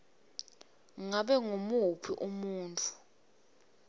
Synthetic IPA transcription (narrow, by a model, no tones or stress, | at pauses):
ŋaɓɛŋomuɦupʰiʔumuːntʰʼu̥